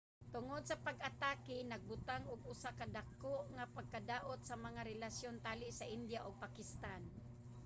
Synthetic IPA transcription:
t̪ʊŋod̪̚sapaɡʔat̪aːkɪnaɡ̚bʊt̪aŋʊɡʊsakad̪akʊʔŋapaɡ̚kad̪aːʔʊt̪̚samaŋaɾɛlasjont̪aːlɪʔsaʔɪnd̪jaʔʊɡ̚pakɪst̪an

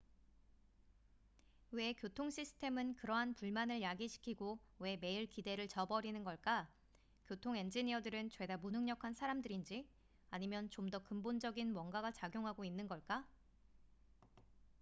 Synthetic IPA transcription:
we̞kjotʰoŋɕʰisʰɯ̥tʰe̞mɯnkɯɾʌɦanpuɭmanɯɭjaɡiɕʰi̥kʰiɡowe̞me̞iɭkide̞ɾɯɭt͡ɕʌbʌɾinɯnɡʌɭk͈a | kjotʰoŋe̞nd͡ʑiɲiʌdɯɾɯnt͡ɕwe̞damunɦɯŋɲʌkʰansʰaɾamdɯɾind͡ʑi | aɲimjʌnt͡ɕomdʌkɯmbond͡ʑʌɡinmwʌŋɡaɡat͡ɕaɡjoŋɦaɡoinːɯnɡʌɭk͈a

